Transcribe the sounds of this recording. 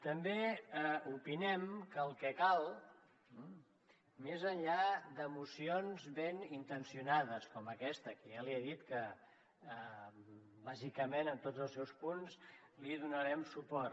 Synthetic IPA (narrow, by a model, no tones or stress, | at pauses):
t̪əmbeəupinɛmkəːlˠkɛkalˠ | mezəɲʎad̪əmusionzβenint̪ənsiunaðəskɔməkɛst̪əkəjaliɛðit̪kəː | bazikəmenənt̪odzəlˠsɛwspuns | liðunəɾɛmsupɔr